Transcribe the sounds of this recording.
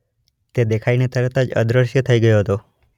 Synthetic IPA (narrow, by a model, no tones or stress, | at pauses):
t̪ed̪ekʰainet̪əɾət̪ad͡ʒə̰d̪ɾəʃjət̪ʰəiɡəjoɦət̪o